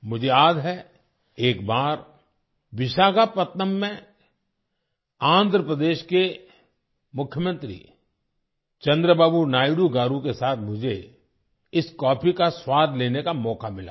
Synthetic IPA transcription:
mʊd͡ʒʱeaːd̪ɦɛ | eːkbaːɾ | ʋɪʃaːɡapət̪nəmːẽ | ãːnd̪ʱɾəpɾəd̪eːʃke | mʊkʰjəmə̃nt̪ɾḭː | t͡ʃɐ̃nd̪ɾəbaːbunaːɪɽuɡaːɾũkesaːt̪ʰmʊd͡ʒʱe | ɪskɔːpʰikaswaːd̪ʱleːnekamɔːkamɪla̰ː

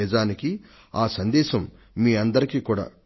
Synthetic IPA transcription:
ɛːd͡ʒaːniki | aːsɐnd̪ɛːʃɐmː | iːɐnd̪ɐɾikiːkuːɽa̰ː

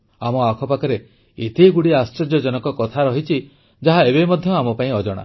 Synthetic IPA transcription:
amɔakʰɔpakɔɾe | et̪iɡuɽiast͡ʃɾɔd͡ʒjɔd͡ʒɔnɔŋkɔkɔt̪ʰaɾɔɦit͡ʃʰi | d͡ʒaɦaeβemɔd̪ʱjɔamɔpaĩɔd͡ʒɔɽ̃a̰

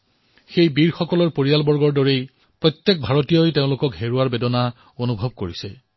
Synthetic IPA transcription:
xejbiɹxɔkɔlɔɹpoɹijalbɔɹɡɔɹdɔɹej | pɹɔjt̪ːjek̚bʱaɹotijojtẽʊ̃lʊkɔkɦeɹuaɹbedɔna | onubʱɔb̚koɹisɛ

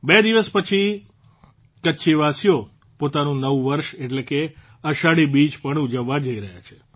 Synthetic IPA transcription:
bed̪iʋəspət͡ʃʰi | kəːʃʰiʋasijo | pot̪anũnəʋuʋəɾʃeʈleke | əʃaɽibid͡ʒpəɳud͡ʒəʋːad͡ʒəiɾəɦja̰t͡ʃʰe̥

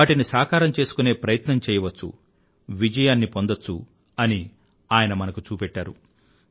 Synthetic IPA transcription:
aːʈinisaːkaːɾɐmt͡ʃe̞ːsu̥kune̞ːpɾɐjɐt̪nɐmt͡ʃɛːjɐʋɐt͡ʃːṵ | ʋid͡ʒɐjaːnːipo̞nd̪ɐt͡ʃːṵ | ɐni | aːjɐnɐmɐnɐkut͡ʃuːpɛʈːaːɾu

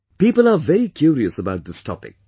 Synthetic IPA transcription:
piːpəlavɛɾikʰjuːɾiəsəbaʊʈ̚d̪ɪstʰɔ̰pɪ̰̃k̚

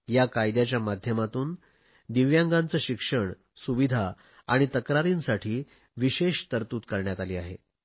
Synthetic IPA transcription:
jakajd̪jat͡ɕjamad̪ʱjəmat̪uːn | d̪iʋjãŋɡãnt͡səːɕikʂəɳ | suʋid̪ʱa | aɽ̃it̪əkɾaɾinsaʈʰiː | ʋiɕeɕt̪əɾt̪uːt̪kəɾɳjat̪aliːaɦe

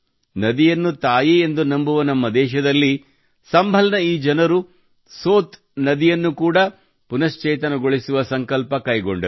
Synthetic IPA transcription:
nɐd̪ijɐnːut̪aːjiend̪unɐmbuʋɐnɐmːɐd̪ɛːʃɐd̪ɐlːi | sɐmbʱɐlɐnɐiːd͡ʒɐnɐɾu | soːt̪ | nɐd̪ijɐnːukuːɽɐ | punɐʃt͡ʃɛːt̪̬ɐnɐɡoɭisuʋɐsɐŋkɐlpɐkɐjɡoɳɖɐɾ

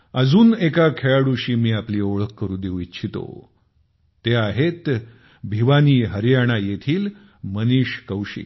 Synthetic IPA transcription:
əd͡zuːnekakʰeɭaɽuɕiːmiːapliːoɭəkkːəɾũːd̪ewitːt͡ɕʰit̪o̰ | t̪eaɦet̪ | bʱiʋaniːɦəɾjaɽ̃ajet̪ʰiːl | məniɕkəwɕḭː

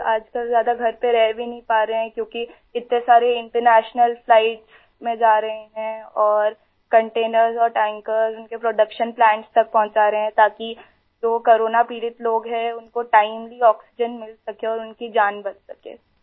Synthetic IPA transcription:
aːd͡ʒkəlzjaːd̪aɡʱɐɾpeɾɛɦbʱinɐɦĩpaːɾɐɦɛ̃kjõːki | ɪt̪nesaːɾeɪ̃ɳʈəɾnɛːʃnəlslaːɪʈs | mẽd͡ʒaːɾɐɦeɦɛ̃ɔːɾ | kɐ̃ɳʈeːnəɾzɔːɾʈɛ̃ːŋkəɾzʊnkepɾoːɖɐkʃənplɛ̃ːɳʈst̪ɐk̚pɐɦʊ̃ɲt͡ʃaːɾɐɦeɦɛ̃t̪aːki | d͡ʒoːkoːɾoːnapiːɾɪt̪loːɡɦɛ̃ʊnkoʈaːɪmliɔːksɪd͡ʒənmɪlsɐkeɔːɾʊnkid͡ʒaːnbɐd͡ʒsɐkḛː

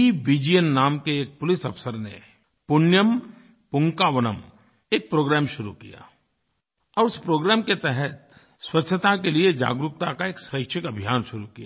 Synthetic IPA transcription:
iʋid͡ʒijənːaːmkeeːk̚pʊlɪsɐpsəɾnḛ | pʊnjəm | pʊ̃ŋkaʋənəm | eːk̚pɾoːɡɾɛːmʃʊɾukija̰ː | ɔːɾʊspɾoːɡɾɛːmket̪ɛɦɛt̪̚ | swɐtʃʰət̪akelied͡ʒa̰ːɡɾʊk̚t̪akaeːksəkʃʰɪkɐbʱijaːnʃʊɾukija

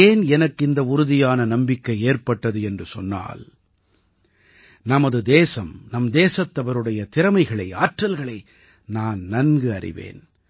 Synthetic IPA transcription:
eːnɛnɐkːɪnd̪ɐʊɾʊðɪjaːnɐnɐmbɪkːɐɪeːrpɐʈːɐðɯɛndrɯsɔnːa̰ːl | nɐmɐðɯd̪eːsɐmnɐmd̪eːsɐt̪ːɐʋɐɾɯɽɐjɐt̪ɪɾɐmɐɪɣɐɭɐɪaːʈrɐlɣɐɭɐɪ | naːnnɐnɡɯɐrɪ̰ʋḛːn

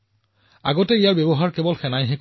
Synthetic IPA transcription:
a̰ɡɔtɛijaɹbjebɔɦaɹkɛbɔlxɛnajɦɛk

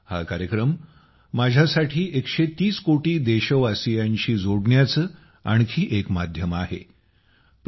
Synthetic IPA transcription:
ha̰kaɾjəkɾəmː | ad͡ʑʱjasaʈʰiːʔekɕet̪iːskoʈiːd̪eɕəʋasijaɲt͡ɕiːd͡zoɽɳjat͡sə | aɳ̃kʰiːʔekmad̪ʱjəmaɦḛ | p

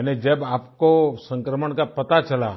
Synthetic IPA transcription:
ned͡ʒəbaːpkosə̃ŋkɾəməɳkapət̪at͡ʃəla̰

